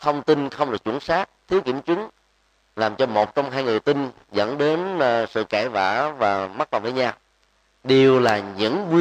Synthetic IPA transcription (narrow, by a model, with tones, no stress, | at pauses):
t̪ʰə˧wŋ͡mt̪i˧nxə˧wŋ͡mɗɨ˨˩ək̚t͡ɕṵ˧˩˦nsaː˦˥k̚t̪ʰi˨˦əwkḭ˧˩əmt͡ɕwi˨˦ŋ | laː˨˩mt͡ɕɔ˧mo˨˩t̚t͡ɕɔ˧wŋ͡mɦaː˧jŋɨ˨˩jt̪i˧n | zə̰˧˥nɗe˨˦nsɨ̰˧˨kɛ˧˩va̰ː˧˩vaː˨˩ma˦˥t̚la˨˩vəː˨˦jɲaː˧ | ɗe˨˩wlaː˨˩ɲɨ̰˧˥ŋkwi˧